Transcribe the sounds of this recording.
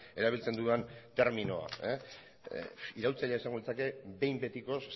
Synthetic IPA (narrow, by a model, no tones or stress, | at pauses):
eɾaβ̞ilt͡se̞nd̪uent̪e̞ɾmino̞a̰e | iɾawlt͡saʎeaesaŋɡuit͡sake̞be̞jmbe̞t̪iko̞s